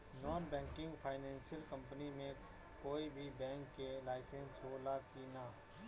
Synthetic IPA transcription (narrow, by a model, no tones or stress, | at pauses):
nɔːnbɛ̃ːŋkɪ̃ŋɡpʰaːɪnɛ̃ːnsijəlkə̃mpənimẽ | koːibʱibɛ̃ːŋkːelaːɪsẽnsɦoːlaːkinaː